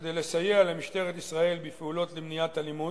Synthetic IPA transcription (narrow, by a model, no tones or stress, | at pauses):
d̪ejlesajealamiʃt̪e̞ʁet̪isʁae̞lbifeulo̞t̪lemnijat̪alimu